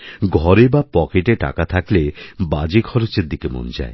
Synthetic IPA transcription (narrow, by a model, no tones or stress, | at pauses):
ɡʱɔɾebapɔkeʈeʈa̰kat̪ʰakleba̰d͡ʑikʰɔɾot͡ɕeɾd̪ikemo̰nd͡ʒa̰e